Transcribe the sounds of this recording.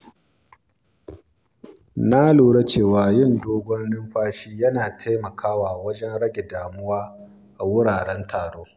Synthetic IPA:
na˦luː˨ɽe˦t͡ʃeː˦˨waː˨jɪ˦˨ndoː˦ɡʷɔ˦nːɪ˦mɸaː˦ʃiː˦jɐ˦naː˨tʰa˦jmɐ˨kʰaː˦waː˨wɐ˦d͡ʒɛ˦nɽɐ˦ɡʲe˨daː˨mʊ˦waː˦ | ʔa˨wʊ˦ɽaː˨ɽɛ˦ntʰaː˨ɽoː˦

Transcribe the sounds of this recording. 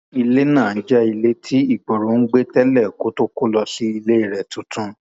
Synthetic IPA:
i˧le˦nã˦˨n̩˦d͡ʒɛ˦i˧le˦tʰi˦i˦˨k͡po˨ɾõ˨˦n̩˦ɡ͡be˦tɛ˦lɛ˦˨ko˨˦to˦ko˦lɔ˧ʃi˦i˧le˦i˦˨ɾɛ˨tũ˨˦tũ˧˦

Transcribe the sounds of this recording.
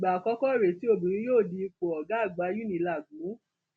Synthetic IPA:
ɡ͡ba˨kɔ˦kɔ˦˨ɾe˨ti˨˦o˦˨bĩ˨ɾ̃ĩ˦joː˦˨di˧k͡pɔ˨ɔ˨ɡa˨˦˨ɡ͡ba˨˦ju˦nĩ˨˦la˨ɡũ˨˦

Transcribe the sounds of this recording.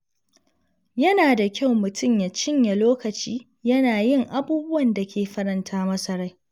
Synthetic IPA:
jɐ˦naː˨da˨kʲa˦˨wmʊ˨tʰʊ˦mja˨t͡ʃɪ˦ɲja˨loː˦kɐ˨t͡ʃiː˦ | jɐ˦naː˨jɪ˦˨ŋʔa˦buː˦bʊ˦wɐ˨nda˨kʲʰeː˨ɸɐ˦ɾɐ˨ntʰaː˦mɐ˦sɐ˨ɽa˦j

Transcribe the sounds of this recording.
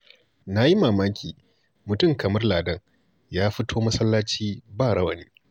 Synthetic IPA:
na˦ji˦maː˨maː˦kʲiː˨ | mʊ˨tʊ˦˨ŋkɐ˨mɐ˦rlaː˨dɐ˦ŋ | jaː˦ɸɪ˦tʰoː˦mɐ˦sɐ˦lːaː˦t͡ʃiː˦baː˦˨ɽɐ˦wɐ˨niː˦

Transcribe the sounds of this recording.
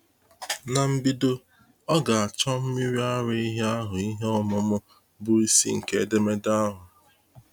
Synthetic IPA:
na˨m̩˦bi˦do˦ | ɔ˦ɡa˨a˨t͡ʃɔ˦m̩˦mi˦ɾi˦a˦ɾɪ˦i˦ɦe˦a˦ɦʊ˨i˦ɦe˦ɔ˦mʊ˨mʊ˦ | bʊ˦i˦sḭ˦ŋ̩˨ke˦˨de˦me˦da˦a˦ɦʊ˨

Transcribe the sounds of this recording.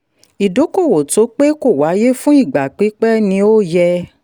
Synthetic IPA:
i˨do˨˦ko˦˨wo˨to˨˦k͡pe˦ko˦˨wa˨˦je˦fũ˦i˦˨ɡ͡ba˨k͡pi˨˦k͡pɛ˦nĩ˧˦o˦jɛ˧

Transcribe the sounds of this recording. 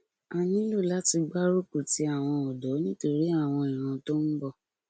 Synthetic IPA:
a˧˨nĩ˦lo˦˨la˨˦ti˧ɡ͡ba˦ɾo˦ku˦˨ti˨˦a˦˨w̃ɔ̃˧ɔ˨dɔ˨˦nĩ˦to˧ɾi˦a˦˨w̃ɔ̃˧i˨ɾ̃ã˧˦to˦n̩˦bɔ˦˨

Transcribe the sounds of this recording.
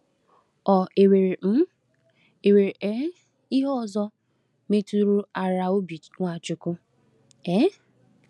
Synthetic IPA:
ɔ˨e˨we˨ɾe˨m̩˦ | e˨we˨ɾʔe˦ | i˦ɦɔ˦ɔ˨zɔ˦ | me˦tu˦ɾu˦a˨ɾa˨o˦bi˨˦ŋʷa˨t͡ʃʊ˨kʊ˦ | e˦

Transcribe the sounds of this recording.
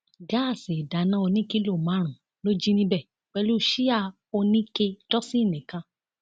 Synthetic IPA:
ɡa˦˨si˨da˨˦nã˦o˧nĩ˦ki˦lo˦˨mã˨˦ɾ̃ũ˨ | lo˦d͡ʒi˦nĩ˧bɛ˦˨ | k͡pɛ˧lu˦˧˦ʃi˦a˦˨ | o˧nĩ˦ke˧tɔ˦si˦˨nĩ˨kã˧

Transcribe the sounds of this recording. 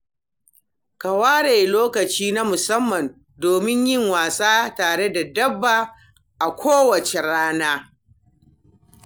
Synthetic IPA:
kɐ˨waː˦ɽe˨loː˦kɐ˨t͡ʃiː˦na˦mʊ˨sɐ˦mːɐ˨n | doː˨mɪ˦ɲjɪ˦ŋwaː˨sʼaː˦taː˨ɽe˦da˨dɐ˦bːaː˨ | ʔa˨kʷoː˦wɐ˨t͡ʃe˨ɽaː˦naː˦

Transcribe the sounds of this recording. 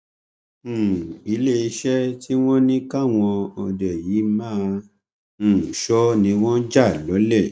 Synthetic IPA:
i˨˦le˦i˧ʃɛ˦tʰi˦w̃ɔ̃˦nĩ˦ka˦˨w̃ɔ̃˧ɔ˨dɛ˨jiː˨˦mãː˦˧˨ | ʃɔ˦nĩ˨˧w̃ɔ̃˦d͡ʒa˦˨lɔ˨˦lɛ˦˨

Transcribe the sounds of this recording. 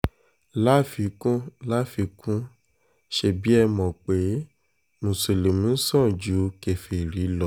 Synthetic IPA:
la˦fi˧kũ˦la˦fi˧kũ˦ | ʃe˧˨bi˦ɛ˧mɔ̃˨k͡pe˨˦ | nũ˨se˨le˨mũ˦sɔ̃˦˨d͡ʒu˨˦ke˨fe˨ɾi˨˦lɔ˨˦

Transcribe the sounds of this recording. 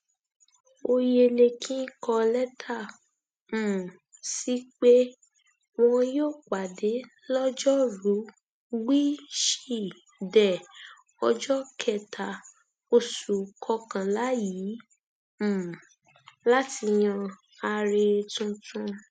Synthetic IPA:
o˧je˧le˧kʰĩ˦kɔ˧lɛ˦tʰa˦˨ | m̩̃˨ | si˦k͡pe˦ | w̃ɔ̃˦joː˦˨k͡pa˨de˨˦ | lɔ˦d͡ʒɔ˦ɾu˨˦ | ɡ͡bi˦ʃi˦˨ | dɛ˨ | ɔ˧d͡ʒɔ˦kʰɛ˦˨tʰa˨˦ | o˧su˨kʰɔ˧kã˨la˨˦ji˨˦ | m̩˨ | la˦ti˧j̃ã˧ | a˧ɾe˧tũ˧tʰũ˧

